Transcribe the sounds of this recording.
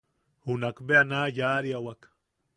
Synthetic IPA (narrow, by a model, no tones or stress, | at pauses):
hunakbeanajaɾiawak